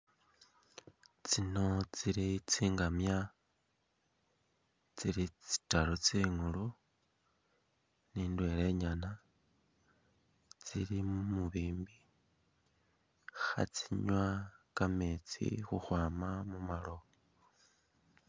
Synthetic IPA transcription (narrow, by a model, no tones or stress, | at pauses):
t͡sino̞t͡siɾit͡siːŋɡamja | t͡siɾit͡si̥taɾot͡siŋulu | niːndwe̞ɾe̞ɲana | t͡siɾimumuβiːmbi | xa̰t͡siɲwakameːt͡sḭxuxwaːmamumalo̞